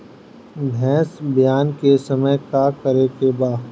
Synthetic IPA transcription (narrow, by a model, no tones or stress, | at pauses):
bʱɛ̃ːsbijaːnkesɐməjkakəɾekebaː